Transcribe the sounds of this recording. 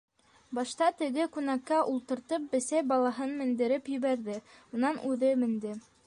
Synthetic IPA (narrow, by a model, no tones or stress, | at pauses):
bɑʃt̪ɑt̪ɘ̆ɡɘkʉnækːæʔulˠt̪ɤ̆ɾt̪ɤp̚bɘ̆sæjbɑlˠɑɦɤnmɘ̆nd̪ɘ̆ɾɘpjɵ̆βæɾðɘunɑnʉðɘmɘ̆nd̪ɘ